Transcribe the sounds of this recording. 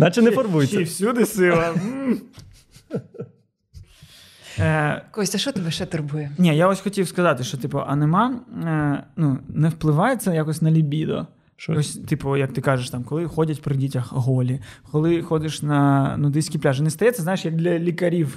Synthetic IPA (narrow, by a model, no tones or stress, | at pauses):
nat͡ʃɛnɛfɔrbujʲwsʲud̪ɪsɪlˠɐm̩ | kɔsʲɐʃɔt̪ɪbɛʃɛt̪ʊrbujɛnʲijaɔsʲxɔtʲiwskɐzɑt̪ɪʃt͡ʃɔt̪ipɔʔɐnɪmɑ | nunɛwplˠɪʋɑjet͡sʲɐjakɔsʲnɐlʲibʲid̪ɔ̰ | ɔsʲt̪ipɔjɐk̚t̪ɪkɑʒeʃt̪ɑmkɔlˠɪxɔdʲɐtʲpɾɪdʲitʲɐxɦɔlʲikɔlˠɪxɔd̪ɪʃnɐnud̪ɪsʲkʲiplʲaʒɪnɛst̪ɐjɛt͡sʲːɛzajɪʃjɐk̚d̪lʲɐlʲikɐɾʲiw